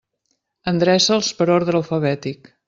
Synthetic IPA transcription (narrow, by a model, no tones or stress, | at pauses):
ənd̪ɾɛsəlˠspəɾoɾðələlˠfəβɛt̪ik